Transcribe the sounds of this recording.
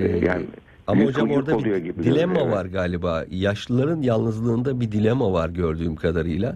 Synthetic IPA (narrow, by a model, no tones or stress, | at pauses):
ɛja̰ːn | amahod͡ʒamoɾd̪aujoɡibid̪ilʲemavaɾɡaːlʲibaːjaʃlˠɯlˠaɾɯnjalˠnɯzlˠɯːnd̪abid̪ilʲemavaɾɟøɾd̪yːmkʰad̪aɾɯjlˠa